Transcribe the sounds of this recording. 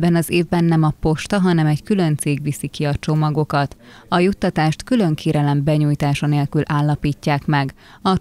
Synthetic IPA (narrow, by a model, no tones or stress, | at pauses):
bɛnɒzeːvbɛnːɛmɒpo̞ʃt̪ɒɦɒnɛmɛɟkylø̞nt̪seːɡʋisikiɒt͡ʃo̞mɒɡo̞kɒt̪ɒjut̪ːɒt̪aːʃt̪kylø̞ŋkʰeːɾɛlɛmbɛɲuːjt̪aːʃɒneːlkylʔaːlːɒpiːcːaːkmɛɡ | ɒ